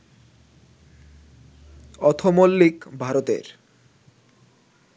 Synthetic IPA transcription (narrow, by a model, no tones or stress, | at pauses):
ɔt̪ʰomolːikbʱaɾot̪ḛɾ